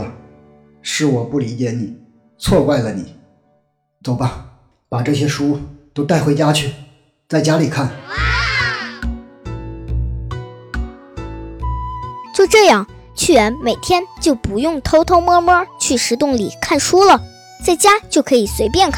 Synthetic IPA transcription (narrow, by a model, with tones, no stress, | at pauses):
ʂɻ̩˥˩wɔ˨˩pu˥˩li˧˥t͡ɕjɛ˧˥ni˨˩˦ | t͡sʰwɔ˥˧kwa˥˩ɪlə˩ni˨˩˦ | t͡so˨˩ʊpa˥˩ | pa˨˩ʈ͡ʂɤ˥˩ɕjɛ˥ʂu˥t̪o˥ʊt̪a˥˩ɪxwe˥ɪt͡ɕja˥t͡ɕʰy˥˩ | t͡sa˥˩ɪt͡ɕja˥li˨˩kʰa˥˩n | t͡ɕjo˥˧ʊʈ͡ʂɤ˥˧jɑ˥˩ŋ | t͡ɕʰy˥˩ɻə˧˥nme˨˩ɪt̪ʰjɛ˥nt͡ɕjo˥˩ʊpu˧˥jʊ˥˩ŋt̪ʰo˧˥ʊt̪ʰo˧˥ʊmwɔ˥mɔ˥t͡ɕʰy˥˩ʂɻ̩˧˥t̪ʊ˥˩ŋli˨˩kʰa˥˩nʂu˥lə˨ | t͡sa˥˩ɪt͡ɕja˥t͡ɕjo˥˩ʊkʰɤ˧˥i˨˩swe˧˥ɪpjɛ˥˧nkʰ